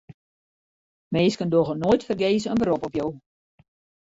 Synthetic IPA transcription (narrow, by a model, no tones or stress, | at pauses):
meːskəndoɣənoːjtfərɡeːzəənbəɾɔpɔpjow